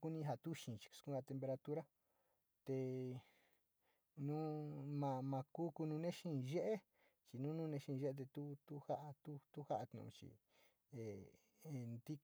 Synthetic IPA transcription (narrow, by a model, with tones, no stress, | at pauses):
ku˦nĩ˦˧ɦa˧t̪u˦ʃĩ˧˨t͡ʃi̥˨˧su̥˧kũ˦ɡa˧t̪e˧mpe˧ɾa˧t̪u˦ɾa˦ | t̪e˧ | nũ˦mã˧mã˧ku˦ku˧nũ˧nẽ˦ʃĩ˦˧ʒe˦ʔe˦ | t͡ʃi˧nũ˦nũ˦˧nẽ˧ʃĩ˧ʒe˦e˧t̪̬e˧t̪u˦t̪u˦ha˦ʔa˧t̪u˦t̪u˦ha˦ʔa˧t̪nṵ̃˧ṵ̃˧t͡ʃḭ˨ | e˨ | nd̪i˦